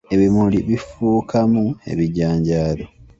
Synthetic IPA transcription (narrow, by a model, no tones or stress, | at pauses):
e̞βimuliβifuːkʰamue̞̰βiɟaːɲɟaːlo